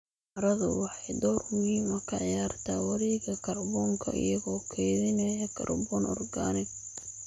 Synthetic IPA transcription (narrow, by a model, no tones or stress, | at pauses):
ɑɾɐðʊ̰wɑħɑjd̪ɔːrmʊhiːmɐkʰɐʕɪjaːrt̪ʰaːwɐɾɛːɣɐkʰɐrbɔːŋkʰɐ̰ʔɪ̰jɐɣɔːkʰɛːðɪnɐjɐkʰɐ̰rbɔːnʔɔ̰rɡaːnɪɡ̚